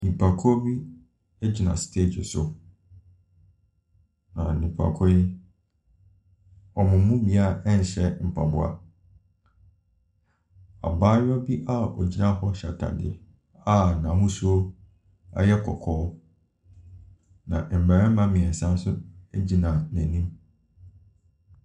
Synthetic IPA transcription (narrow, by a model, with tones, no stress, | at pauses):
nĩ˨pʰa˨kʰɔ˦bi˦ | e˦d͡ʑi˨nã˨stʰe˦˨d͡ʑɪ˨sʊ˨ | nã˨nĩ˨pʰa̰˨kʰɔ˦ɪ˦ | ɔ˨mʊ̃˨˦mũ˦mĩ˨a˦ɛ˦n̩˨ɕɛ˦m̩˨pʰa˨bʊ˦a̰˨ | a̰˨baː˦jɔ˦bi˦ʔa˦ɔ̰˨d͡ʑi˦nã˦ɦɔ˦ɕa˨tʰa̰˨dɪ˨ | a˦˨nã˨mʊ̃˦su˦o˦ | a̰˦jɛ˦kʰɔ˨kʰɔː˦ | nã̰˨ʔm̩˨bɛ˨ɛ˦mã˦mɪ̃˨ɛ˨sã˦n˦sʊ˦e˦d͡ʑi˦nã˨næ̃˨nĩ˦m